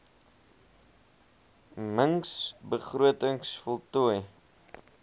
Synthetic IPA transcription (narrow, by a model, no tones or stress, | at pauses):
məŋsbəχruətəŋsfɔlˠtuəj